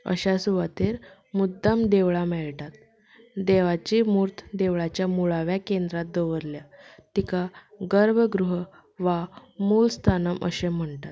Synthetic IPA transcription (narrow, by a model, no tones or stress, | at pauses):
ə̰ɕasuʋat̪eɾ | mud̪ːamd̪eʋɭamɛɭʈat̪ | d̪eʋat͡ɕimuɾt̪ʰd̪eʋɭat͡ɕjamuɭaʋjakend̪ɾat̪̚d̪oʋəɾljat̪ikaɡəɾbʱəɡɾuɦ | ʋamulst̪ʰanəmʔə̰ɕem̤əɳʈat̪